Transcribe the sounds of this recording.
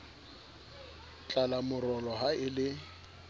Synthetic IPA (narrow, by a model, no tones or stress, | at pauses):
t͡ɬʼalamʊrɔlɔɦaɪlɪ